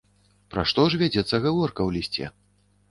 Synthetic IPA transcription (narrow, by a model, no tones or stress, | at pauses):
pɾa̰ʂt̪ɔʐvʲad͡zʲɛt̪sːɐɣavɔrkɐwlʲisʲt͡sʲɛ̰